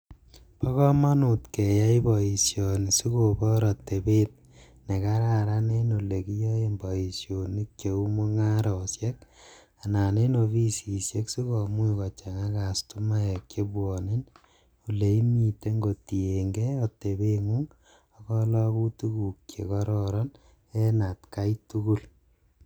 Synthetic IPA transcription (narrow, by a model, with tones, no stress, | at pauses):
pa˦kɔ˦ma˦nu˨tke˨ja˦ibɔi˨sjɔ˨ni˨su˦ko˨bɔ˦ɾɔ˨te˨bet̚ | ne˨ka˦ɾa˨ɾa˦ne˦no˨le˨ki˦jɔ˦e˦mbɔ˨i˨sjo˨ni˦kt͡ʃe˨u˦mo˦ŋa˦ɾɔ˨sjɛ˦k | a˨na˨ne˦no˨βi˦si˨sje˦ksu˦kɔ˨mu˦ikɔ˨t͡ʃa˨ŋa˦ka˨stu˦ma˦ɛ˨kt͡ʃe˦bwɔ˨ne˦n | u˨le˨i˦mi˨te˦ŋɡo˨ti˨e˨ŋɡe˦ɔ˨te˨be˦ŋu˦ŋ | akɔ˦lɔ˦ku˦tu˦ku˨kt͡ʃje˨kɔɾɔɾɔ˦n | ɛ˦na˨tka˦itu˦ku˦˨l